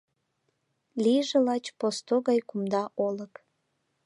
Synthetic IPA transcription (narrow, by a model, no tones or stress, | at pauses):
lʲiʒelɑt͡ɕpost̪oɣɑjkumd̪ɑʔolək